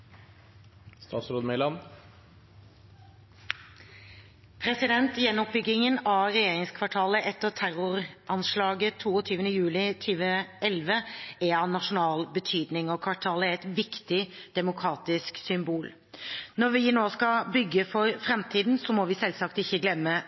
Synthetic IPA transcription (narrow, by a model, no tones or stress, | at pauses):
st̪ɑ̰ːsɾoːd̪mɛlɑn | pʰɾɛsɪd̪ɛnt̪jɛnːɔp̚bʏɡɪŋənɑɾɛjeːɾɪŋskʰʋɑʈʰɑːləʔɛt̪ːət̪ʰæɾʊɾʔɑnslɑːɡət̪ʰːuːɔt̪ʰyːʋənəjʉːlɪt̪ʰyːʋəɛlʋəɛɑnɑʂʊnɑːlbət̪ʰyːd̪nɪŋɔkʰʋɑʈʰɑːləɾɛt̪ʋɪkt̪ɪd̪̥ɛmʊkʰɾɑːt̪ɪsksʏmbuːl | nɔɾʋɪnoːskɑbʏɡːəfɔɾfɾɛmt̪ʰiːd̪n̩sɔmɔʋɪsɛlsɑkt̪ɪçːəɡlɛmːə